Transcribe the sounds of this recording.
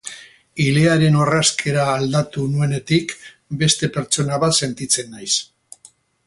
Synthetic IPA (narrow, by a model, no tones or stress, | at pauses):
ile̞aɾe̞no̞raskʰe̞ɾaːld̪at̪unue̞ne̞t̪ik | be̞st̪e̞pe̞ɾt͡ʃo̞naβat̪se̞nt̪it͡se̞nːajs